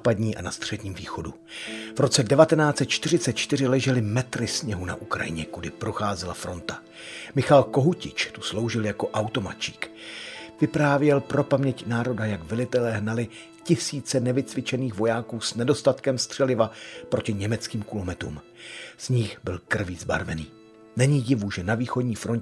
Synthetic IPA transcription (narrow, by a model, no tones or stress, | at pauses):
aːpadɲiːʔa̰nast̪r̥ɛdɲiːmviːxo̞du | vɾo̞t͡sɛdɛvat̪ɛnaːt͡sɛt̪̚t͡ʃt̪ɪr̝ɪt͡sɛt̪̚t͡ʃt̪ɪr̝ɪlɛʒɛlɪmɛt̪ɾɪsɲɛɦuna̰ʔukɾa̰jɪ̰ɲɛkudɪpɾo̞xaːzɛla̰fɾo̞nt̪a | mɪxalko̞ɦucɪt͡ʃt̪uslo̞wʒɪljako̞ʔawt̪o̞ma̰t͡ʃi̥ːk | vɪpɾaːvjɛlpɾo̞pamɲɛcnaːɾo̞dajakvɪlɪt̪ɛlɛːɦnalɪ | cɪsiːt͡sɛnɛvɪt͡svɪt͡ʃɛniːxvo̞jaːkuːsnɛdo̞st̪at̪kɛmst̪r̥ɛlɪvapɾo̞cɪɲɛmɛt͡skiːmkulomɛt̪ɾṵm | z̥ɲɪxbɪlkr̩viːzba̰ɾvɛniː | nɛɲiːjɪvuʒɛnaviːxo̞dɲiːfɾo̞n